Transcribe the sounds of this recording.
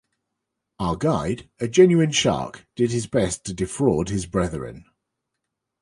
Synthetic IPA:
aəɡaɪdəd͡ʒɛ̃njʉɪ̃nʃɑ̰ˑkd̥ɪd̥̚ɪzbɛstʰədɪfɹɔːd̥̚ɪzbɹɛðəɹɪ̰̃n

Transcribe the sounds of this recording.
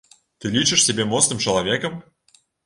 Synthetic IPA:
t̪ɨlʲit͡ʃɨʂsʲɪbʲemosnɨmt͡ɕɪlˠɐvʲekəm

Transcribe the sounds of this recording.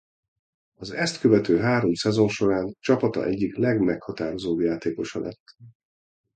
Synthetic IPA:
ɒzɛst̪køvɛt̪øːɦaːɾo̞msɛzo̞nʃo̞ɾaːnt͡ʃɒpɒt̪ɒ̰ʔɛɟːiklɛɡmɛkhɒt̪aːɾo̞zoːbjaːt̪eːko̞ʃɒlʔɛ̰t̪ː

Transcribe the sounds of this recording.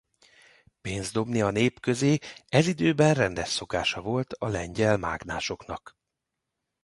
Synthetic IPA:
peːnzd̪o̞bniɒneːpkø̞zeːɛzid̪øːbɛnrɛnd̪ɛʃso̞kaːʃɒvo̞lt̪ʰɒlɛɲɟɛlma̰ːɡna̰ːʃo̞knɒk

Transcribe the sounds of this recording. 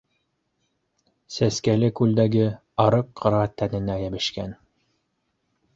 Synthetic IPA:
sæskælɘkʉld̪æɡɘ | ɑɾɤqʰːɤ̆ɾɑt̪ænɘ̆næjæbɘ̆ʃkæn

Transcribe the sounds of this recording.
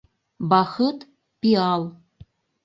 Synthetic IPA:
baxət | pial

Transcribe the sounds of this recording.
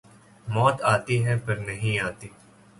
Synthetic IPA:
mɔːt̪aːt̪iːɦɛ̃ːpəɾnəɦĩːaːt̪iː

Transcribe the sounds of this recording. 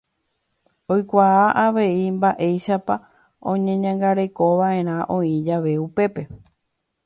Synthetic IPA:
ojkʷaaʔaʋe̞imbaʔe̞jʃapa | õ̞ɲẽ̞ɲãŋɡaɾe̞ko̞ʋaʔẽ̞ɾ̃ãʔõ̞ĩd͡ʒaʋe̞upe̞pe̞

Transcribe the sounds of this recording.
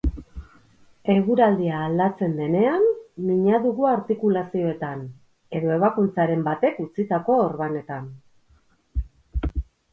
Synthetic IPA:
e̞ɣuɾald̪iaːld̪at͡se̞nd̪e̞ne̞anːiɲaðuɣuaɾt̪ikulasio̞e̞t̪an | e̞ðo̞eβ̞akunt͡saɾe̞mbat̪e̞kut͡sit̪ako̞ːɾβane̞t̪an

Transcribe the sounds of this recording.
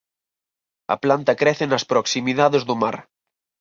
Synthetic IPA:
ɐ̰plant̪ɐkɾɛθenɐspɾoksimiðaðezðuma̰ɾ

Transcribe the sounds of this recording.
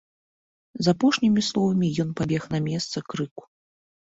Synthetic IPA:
zapɔʂnʲimʲislˠɔvɐmʲijɔn̪pabʲɛxnɐmʲɛst̪sɐkɾɨku̥

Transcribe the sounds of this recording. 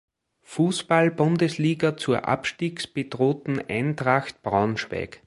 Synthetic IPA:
fuːspalbʊ̃ndəsliːɡɐt͡suːɐʔa̰pʃtiːksb̥edʁoːt̪n̩æ̰ɪntʁaxt̚b̥ʁaʊnʃvɛ̰ːk

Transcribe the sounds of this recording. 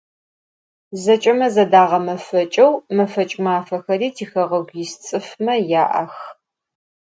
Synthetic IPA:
zɐt͡ʃʼɐmɐzɐdaːʁɐmɐfɐt͡ʃʼɐwmɐfɐt͡ʃʼmaːfɐxɐriːtʰiːxɐʁɐɡʷjɪst͡sʼɨfmɐjaːʔɐ̰x

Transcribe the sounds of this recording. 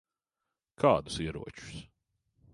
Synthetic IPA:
kʰaːd̪usiɛɾṵɔt͡ʃu̥s

